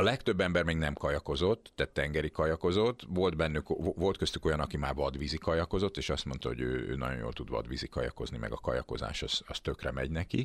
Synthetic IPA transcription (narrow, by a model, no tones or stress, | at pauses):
ɒlɛkt̪ø̞bːɛmbɛrmeːɡnɛmkɒjɒko̞zo̞t̪ːɛt̪ːɛŋɡɛɾikɒjɒko̞zo̞t̪ːvo̞ld̪bɛnːykvo̞lt̪køst̪y̥ko̞jɒnɒkimaːrvɒd̪ʋizikɒjɒko̞zo̞t̪ːeːʃɒst̪mo̞nt̪ɒho̞̰ɟøːø̰ːnɒ̰ɟo̞̰jjo̰ːlt̪ud̪vɒ̰d̪ʋizikɒjɒ̰ko̞znimɛ̰ɡɒkɒjɒko̞za̰ːʃɒz̥ɒst̪ø̞krɛmɛɟnɛki